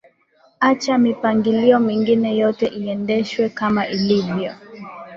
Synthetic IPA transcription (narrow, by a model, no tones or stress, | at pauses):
at͡ʃamipaŋɡiliɔmiŋɡinɛjɔtɛʔiɛndɛʃwɛkamaʔilivjɔ